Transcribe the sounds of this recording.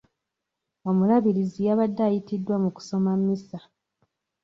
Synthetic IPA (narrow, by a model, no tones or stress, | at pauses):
o̞mulaβiɾizijaβadːaːjitidːwamuku̥so̞mamːisa